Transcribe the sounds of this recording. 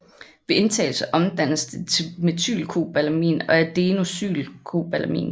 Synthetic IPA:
ʋe̝e̝nt͡sʰɛ̰ːl̩sɐʔɒ̽md̥æn̰əsd̥et͡sʰeme̝t͡sʰy̰ːlkʰo̝̰b̥ælæmḭːnɒ̽æd̥e̝ːno̝sy̰ːlkʰo̝̰b̥ælɐmḭːn

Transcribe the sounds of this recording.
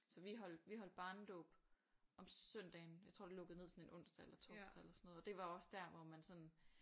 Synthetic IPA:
sɒ̽ʋiɦɒ̽l̰d̥ʋiɦɒl̰d̥̚b̥ɑ̈ːn̩d̥ɔ̽ːb̥ | ʔɒ̽mœn̰d̥ɛːnjɑɪt͡sʰʁo̝̰d̥ilɔ̽ɡ̥əð̩ˠne̝ðˠsɒ̽ne̝nʔɔ̽n̰sd̥ɐelɐt͡sʰɒsd̥elɐsɒnːɔð̩ˠɒd̥e̝ʋɑ̈ɒ̽sd̥æɐ̰ʋɒmænsɒ̽n

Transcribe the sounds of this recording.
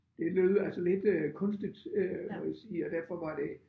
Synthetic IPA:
d̥e̝løːðˠælsəle̝d̥kʰɔ̽nsd̥id̥ømɒjasiːɒd̥æɐfɒ̽ʋɑ̈d̥e̝

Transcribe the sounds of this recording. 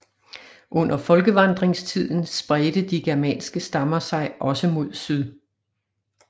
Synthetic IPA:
ʔɔ̽n̰ɐfɒ̽lɡ̥əʋɑ̈nd̥ʁeŋst͡sʰið̞̰ˠn̩sb̥ʁɛːd̥əd̥iɡ̥ɛɐmɛ̰ːnsɡ̥əsd̥ɑ̈mɐsɑ̈ɪʔɒ̽səmo̝ð̞̰ˠsyðˠ

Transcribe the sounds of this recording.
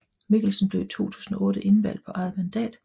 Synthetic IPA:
miɡ̥l̩sən̩ble̝ʊt͡sʰo̝̰ːt͡sʰu̥̰ːsn̩ɒ̽ʔɔ̽ːɾ̥əʔe̝nʋæl̰d̥pʰɒ̽ʔɑ̈ɪð̩ˠmænd̥ɛ̰ːd̥

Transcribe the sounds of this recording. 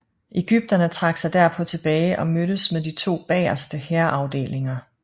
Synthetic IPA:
ʔe̝ɡ̥yb̥̚d̥ɐnət͡sʰʁɑ̈ɡ̥sɑ̈ɪd̥æɐpʰɒ̽t͡sʰe̝b̥ɛːɪʔɒ̽møɾəsmeðˠd̥it͡sʰo̝̰ːb̥ɛ̰ːɐsd̥əheɐʔɑ̈ʊd̥e̝̰ːle̝ŋɐ

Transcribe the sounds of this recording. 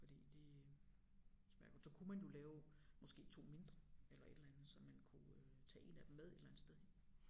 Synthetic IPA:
fɒd̥ḭːd̥e̝ | smæɐɡ̥sɒ̽kʰumænjo̝lɛːʊ | mɒ̽sɡ̥e̝̰ːt͡sʰo̝̰ːme̝nd̥ʁɐelɐe̝d̥lænð̩ˠsɒ̽mːænkʰut͡sʰɛ̰ːe̝̰næd̥em̩með̞ˠe̝d̥lænð̩sd̥eðˠj

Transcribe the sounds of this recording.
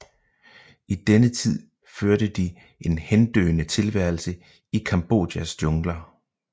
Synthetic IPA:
id̥enət͡sʰið̞̰ˠ | føɐɾəd̥i | e̝nhend̥ø̰ːnət͡sʰe̝lʋæɐ̰l̩sə | ikʰɑ̈mb̥o̝̰ːd̥jæsd̥jɔ̽ŋlɐ

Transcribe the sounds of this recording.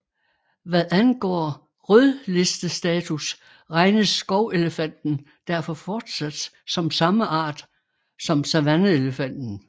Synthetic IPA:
ʋæðˠænɡ̥ɒ̰ː | ʁœðˠle̝sd̥əsd̥ɛːt͡sʰus | ʁɑ̈ɪnəsːɡ̥ɒʊe̝ləfæn̰d̥n̩ | d̥æɐ̰fɒ̽fɒːd̥sæd̥s | sɒ̽msɑ̈məʔɑ̰̈ːd̥ | sɒ̽msæʋænəe̝ləfæn̰d̥n̩

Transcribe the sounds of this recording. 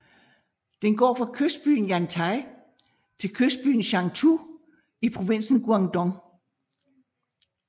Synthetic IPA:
d̥enɡ̥ɒ̰ːfʁɑ̈kʰøsd̥̚b̥y̰ːn̩jænt͡sʰɑ̈ɪ | t͡sʰe̝lkʰøsd̥̚b̥y̰ːn̩ɕɑ̈ŋt͡sʰṵ | ipʰʁo̝ʋe̝n̰sn̩ɡ̥uɑ̈ŋd̥ɒŋ

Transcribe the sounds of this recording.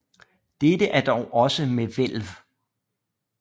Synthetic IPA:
d̥ed̥əʔæɐd̥ɒʊʔɒ̽səmeʋel̰ʋ

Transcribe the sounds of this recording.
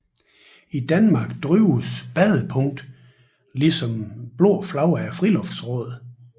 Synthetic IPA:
id̥ænmɑ̈ɡ̥d̥ʁyʊsb̥ɛðˠəpʰɔ̽ŋ̰d̥ | lisɒ̽mb̥lo̝̰ːflɑ̈ʊɐæfʁilɔ̽fd̥sʁɔ̽ːð̰ˠ

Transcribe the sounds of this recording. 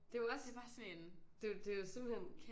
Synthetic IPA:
d̥e̝ʋɒsʋɑ̈sɔnend̥e̝d̥e̝josem̰̥̩hen̰kʰ

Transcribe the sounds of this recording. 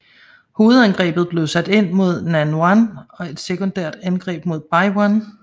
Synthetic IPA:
ho̝ːð̞̩ˠænɡ̥ʁɛ̰ːb̥ð̞̩ˠb̥le̝ʊsæd̥e̝n̰mo̝ð̞̰ˠnænɑnɒ̽e̝d̥sekʰond̥æɐ̰d̥ænɡ̥ʁɛ̰ːb̥̚mo̝ð̞̰ˠb̥ɑɪwan

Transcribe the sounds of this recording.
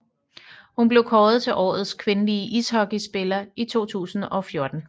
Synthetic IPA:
hunb̥le̝ʊkʰɒːð̞̩ˠt͡sʰe̝lʔɒ̰ːð̩ˠskʰʋe̝nəliəʔishɒ̽ɡ̥isb̥e̝lɐit͡sʰo̝̰ːt͡sʰṵːsn̩ɒ̽fjo̝ɐd̥n̩

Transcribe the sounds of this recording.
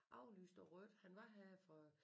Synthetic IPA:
ʔɑ̈ʊlyːsd̥ɒʁœd̥hænʋɑ̈ɦæfɒ̽

